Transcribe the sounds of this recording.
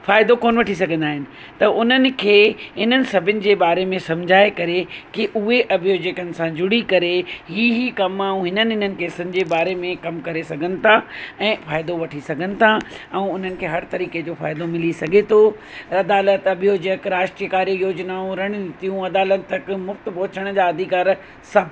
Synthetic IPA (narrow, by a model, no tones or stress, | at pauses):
faːɪd̪okoːnʋɐʈʰisɐɡʱə̃nd̪aːɦɪnɪ̆ | t̪ɐʊn̤ənɪ̆kʰeːɦɪn̤ənɪ̆sɐbʱɪnɪ̆d͡ʑeːbaːɾemẽsɐ̃md͡ʑʱaːekɐɾekiʔʊɦeʔɐbʱijoːd͡ʑəkənɪ̆sãd͡ʑʊɽ̤ikɐɾeɦiːɦikɐmaũɦɪnənɪɪnənɪ̆keːsənɪ̆d͡ʑeːbaːɾemẽkɐmkɐɾesɐɡʱənɪ̆t̪ʰaɛ̃ːfaːɪd̪oʋɐʈʰisɐɡʱənɪ̆t̪ʰaɛ̃ːʊn̤ənɪ̆kʰeːɦɐɾt̪ɐɾiːked͡ʑoːfa̰ːɪd̪omɪlisɐɡʱet̪ʰoː | ɐd̪aːlət̪ɐbʱijoːd͡ʑəkɾaːʃʈɾijəkaːɾiijoːd͡ʑnaːũɾɐɽ̃d̪ɪt̪ijũɐd̪aːlət̪ːɐkmʊft̪pɐɦʊt͡ɕəɽ̃d͡ʑaːɐd̪ʱikaːɾ | sɐbʱ